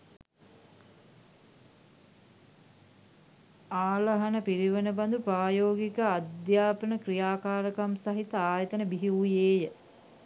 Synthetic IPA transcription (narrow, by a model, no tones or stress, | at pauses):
aːlɐɦɐnəpiɾiʋənəbɐnd̪upɾaːjoːɡikəad̪jaːpənəkɾijaːkaːɾəkamsɐɦit̪əaːjət̪ənəbiɦiujeːjə